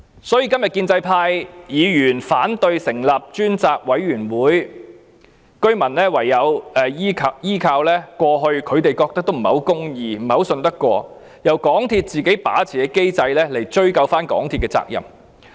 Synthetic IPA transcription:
sɔː˨˥jiː˧kɐ˥mjɐ˨t̚kiː˧nt͡sɐ˧jpʰaː˧jjiː˨˧jyː˨˩nfaː˨˥nt̪ɵ˧ɥsɪ˨˩ŋlɐ˨p̚t͡ʃyː˥nt͡saː˧k̚wɐ˨˥jːyː˨˩nwuː˨˥j | kɵ˥ɥmɐ˨˩nlɛː˥wɐ˨˩jːɐ˨˧wɛ˨jiː˥kʰɐ˧jiː˥kʰaː˧wlɛː˥kʷɔː˧ɦɵ˧ɥkʰɵ˨˧ɥt̪e˨jkɔː˧k̚t̪ɐ˥k̚t̪o˥wm̩˨˩hɐ˨˥wkʊ˥ŋjiː˧m̩˨˩hɐ˨˥wsɵ˧nt̪ɐ˥kːʷɔː˧ | jɐ˨˩wkɔː˨˥ŋt̪ʰiː˧t̚t͡siː˨ke˨˥jpa̰ː˨˥t͡sʰiː˨˩kɛ˧ke˥jt͡sɐ˧jlɛː˥le˨˩jt͡ʃɵ˥ɥkɐ˧wfaː˥nkɔ̰ː˨˥ŋt̪ʰi˧t̚kɛː˧t͡sa̰ː˧k̚jɐ̰˨˩m

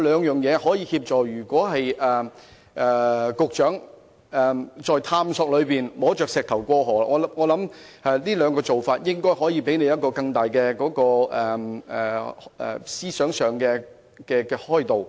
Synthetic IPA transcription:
lœː˨˧ŋjœː˨ŋjɛː˨˧hɔː˨˥jiː˨˧hiː˧p̚t͡ʃɔː˨jjyː˨˩kʷɔː˨˥hɐ˨jʔɛː˨ | ʔɛː˨˩kʊ˨˧k̚t͡ʃœː˨˥ŋ | ʔɛː˨˩t͡ʃɔː˨jt̪ʰaː˧msɔː˧k̚lɵ˨˧ɥpiː˨nmɔː˨˥t͡ʃœː˨k̚sɛː˨k̚t̪ʰɐ˨˩wkʷɔː˧˥ɦɔː˨˩la̰˧ŋɔː˨˧ŋɔː˨˧lɐ˨˥mʔɛ˨niː˥lœː˨˧ŋkɔː˧t͡so˨wfaː˧t̚jɪ˥ŋkɔː˥jhɔː˨˥jiː˨˧pe˨˥jne˨˧jɐ˥t̚kɔː˧kɐ˧ŋt̪aː˨jkɛː˧kɔː˨˥kɔː˧ʔɛː˨˩˨ | ʔɛ̰˨siː˥sœː˨˥ŋsœː˨˧ŋkɛː˧ | kɛː˧kɛː˧hɔː˥˩jt̪o˨w

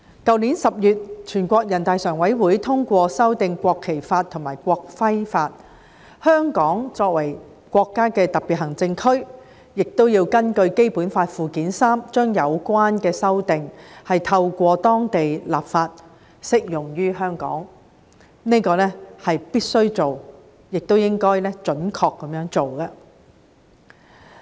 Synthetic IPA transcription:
kɐ˨˧wniː˨˥nsɐ˨p̚jyː˨t̚t͡ʃʰyː˨˩nkʷɔː˧k̚jɐ˨˩nt̪aː˨jsœː˨˩ŋwɐ˨˥jwuː˨˥jt̪ʰʊ˥ŋkʷɔː˧sɐ˥wt̪ɪ˨˧ŋkʷɔː˧kʰːe˨˩jfaː˧t̪̚ʰʊ˨˩maː˨˩jkʷɔː˧k̚fɐ˥jfaː˧t̚ | hœː˥ŋkɔː˨˥ŋt͡sɔː˧k̚wɐ˨˩j | kʷɔː˧kːaː˥kɛː˧t̪ɐ˨˩pi˨t̚hɐ˨˩ŋt͡sɪ˧ŋkʰɵ˥ɥ | jɪ˨k̚t̪o˥wjiː˧wkɐ˥nkɵ˧ɥke˥jpuː˨˥nfaː˧t̚fuː˨kiː˨˥nsaː˥mt͡ʃœː˥ŋjɐ˨˧wkʷaː˥nkɛː˧sɐ˥wt̪ɪ˨ŋhɐ˨jt̪ʰɐ˧wkʷɔː˧t̪ɔː˥ŋt̪e˨jlaː˨p̚faː˧t̚ | sɪ˥k̚jʊ˨˩ŋjyː˥ɦœː˥ŋkɔ̰ː˨˥ŋ | ne˥jkɔː˧lɛː˥hɐ˨jpiː˥t̚sɵ˥ɥt͡so˨w | jɪ˨k̚t̪o˥wjɪ˥ŋkɔː˥jlɛ˥t͡ʃɵ˨˥nkʰɔː˧kːɐ˨˦mjœː˨˥ŋt͡so˨wkɐ˧

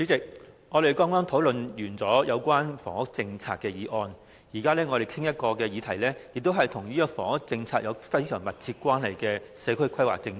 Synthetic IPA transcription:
t͡sy˨˥t͡sɪ˨k̚ | ŋɔː˨˧ɾe˨jkɔː˥ŋɔː˥ŋt̪ʰo˨˥wlɵ˨njyː˨˩nt͡sɔː˨˥jɐ˨˧wkʷaː˥nfɔ̰ː˨˩ŋʊ˥k̚t͡sɪ˧ŋt͡sʰaː˧t̚kːɛː˧jiː˨˧˥ʔɔː˧n | jiː˨˩kaː˥lɛː˥ŋɔː˨˧e˨˩jkʰɪ˥ŋjɐ˥t̚kɔː˧kɛː˧jiː˨˧t̪ʰɐ˨˩jlɛː˥jɪ˨k̚t̪o˥wɦɐ˨jt̪ʰʊ˨˩ŋjyː˥jɔː˧˩kfɔː˨˩ŋʊ˥k̚t͡sɪ˧ŋt͡sʰaː˧˥jɐ˨˧fɐ˥jsœː˨˩ŋmɐ˨t̚t͡sʰiː˧t̚kʷaː˥nhɐ˨˩jkɛː˧sɛː˨˧˥kʰɵ˥ɥkʰɐ˥jwa̰˨k̚t͡sɪ˧ŋ˥

